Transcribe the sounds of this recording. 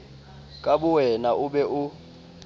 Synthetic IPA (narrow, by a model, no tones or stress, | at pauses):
kʼaɓuwɛnaʔuɓɛʔu